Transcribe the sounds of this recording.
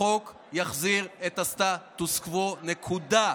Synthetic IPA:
ok | jaχziʁet̪ast̪atuskvonekʰuda

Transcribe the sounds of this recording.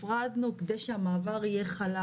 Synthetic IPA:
ʁad̪nukd̪ejʃeamaːvaʁijeχala

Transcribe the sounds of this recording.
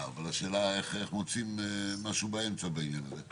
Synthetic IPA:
valaʃe̞ːlaeχeχmot͡simːaʃuːbaemt͡sabainjanaze

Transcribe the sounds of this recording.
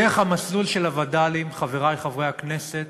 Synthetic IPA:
eχhamaslulʃelavad̪alimχave̞ʁajχavʁejakneset̪̚

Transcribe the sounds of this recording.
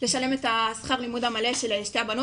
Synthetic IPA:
le̞ʃale̞metasχaʁlimudhamale̞ʃelʃteabano

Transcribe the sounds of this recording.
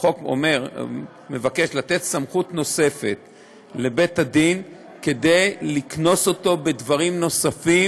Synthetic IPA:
χo̞ko̰me̞ʁ | me̞vake̞ʃlat̪e̞t̪samχutno̞se̞fe̞t̪ | le̞be̞tad̪in | ke̞d̪ejlikno̞so̞to̞be̞dvaʁimno̞safi

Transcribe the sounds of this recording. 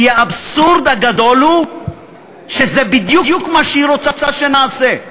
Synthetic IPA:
jeabsuɾd̪aɡad̪o̞lhu | ʃezebid̪jujukmaʃeiɾo̞t͡sat͡saʃenaːse

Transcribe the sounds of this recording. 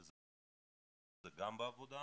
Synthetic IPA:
z | zɐɡambavod̪a

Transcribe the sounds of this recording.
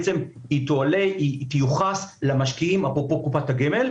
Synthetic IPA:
t͡se̞mitoaleit̪juχaslamaʃkiimapʁopo̞kupataɡemel

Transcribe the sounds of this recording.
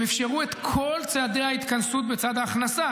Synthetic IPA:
efʃe̞ʁue̞t̪kʰo̞lt͡sead̪e̞hait̪kansut̪̚bet͡sad̪haːχnasa

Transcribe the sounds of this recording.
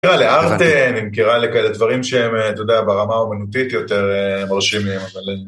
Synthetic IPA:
ʁaleaʁt̪enimkiʁalekaeled̪vaʁimʃeemt̪od̪eabeʁamaomanut̪it̪jo̞t̪e̞ʁemaʁʃimimavale

